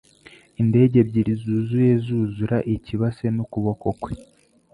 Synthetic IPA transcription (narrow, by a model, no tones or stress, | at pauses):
inde̞ːɟe̞bɟiɾizuːzuje̞zuːzuɾaʔiciβase̞nokuβo̞ko̞kwe